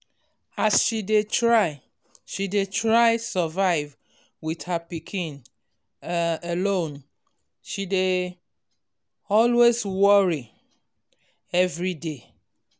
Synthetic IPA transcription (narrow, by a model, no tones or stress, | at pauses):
asʃidetʰɹaɪ | ʃidetʰɹaɪsəvaɪv | wiðhəpikʰĩn | əlõn | ʃide | ɔlwezwɔɹi | ɛvɹide